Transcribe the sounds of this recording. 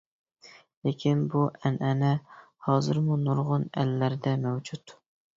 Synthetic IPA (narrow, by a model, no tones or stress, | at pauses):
lekʲʰinbuʔɛnʔɛnɛ | hɑːzɨɾmunuɾʁʊnɛ̰lːæɾɪd̪ɛmɛwd͡ʒut̪